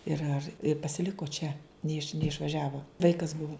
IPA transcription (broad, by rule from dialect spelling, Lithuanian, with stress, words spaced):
ˈɪr ɐr pɐsʲɪˈlʲɪkoː t͡ʃʲɛ nʲɛˈɪʃ nʲɛɪʃʋɐˈʒʲæːʋoː ˈʋɐɪkɐs ˈbʊʋoː